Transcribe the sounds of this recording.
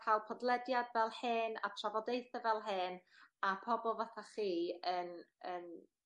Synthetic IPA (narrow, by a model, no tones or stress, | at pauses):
pʰawˠpʰɔdlˠɛdjadvɛlˠhɪna̰tʰravɔdejθəvɛlˠɦɨːnapʰɔbɔlˠvaθaχiːənən